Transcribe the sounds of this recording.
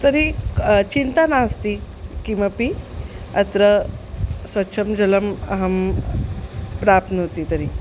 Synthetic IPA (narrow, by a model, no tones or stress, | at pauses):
t̪əɾit͡ɕint̪anast̪i | kimʋapi | ɐt̪ɾə | sʋɐtːɕʰəmd͡ʑələmɐɦəm | pɾap̚t̪nəɦot̪it̪əɾi